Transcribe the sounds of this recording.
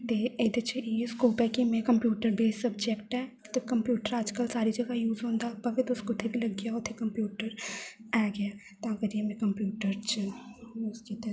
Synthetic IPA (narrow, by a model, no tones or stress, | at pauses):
d̪eed̪et͡ʃʰieskoːpɦɛkimɛ̃kɐ̃mpjuːʈəɾbʱisɐb̚d͡ʒekʈɦɛː | t̪okɐ̃mpjuːʈəɾaːd͡ʒkəlsaːɾid͡ʒɐɡajuːzɦõːnd̪apɐɡɪt̪ʊskot̪ʰebʱilɐɡːɐjaʊt̪ʰːekɐ̃mpjuːʈəɾɛːɡɐja | t̪ãːkɐd͡ʒ̪iemẽkɐ̃mpjuːʈəɾt͡ʃ | ʊsket̪